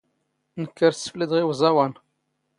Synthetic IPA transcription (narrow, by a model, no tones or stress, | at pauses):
nəkːəɾsə̥flid̪ʁiwzˤɑwan